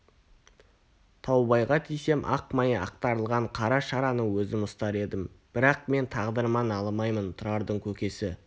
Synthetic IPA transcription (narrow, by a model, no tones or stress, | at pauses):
t̪ʰɑwbɑjʁɑt̪ʰijse̞mʔɑ̰qmɑjɑ̰q̚t̪ɑɾəlˠʁɑɴqʰɑɾɑʃɑɾɑnəwɵzɪmʊst̪ɑɾe̞d̪ɪmb̥ɪɾɑq̚me̞nt̪ʰɑʁd̪əɾmɑnɑlˠmɑjmənt̪ʰʊɾɑɾd̪əɴkʲʰɵkʲe̞sɪ